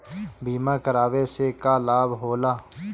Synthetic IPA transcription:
bʱiːmãːkəɾaːʋesekaːlaːbɦoːlaː

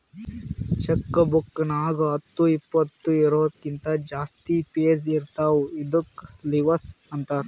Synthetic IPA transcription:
t͡ʃɐkːɐbukːɐnaːɡɐɐt̪ːuipːɐt̪ːuiɾoːd̪kint̪ɐd͡ʒaːst̪ipeːsiɾt̪aːʋuid̪ukliʋɐsɐnt̪aːɾ

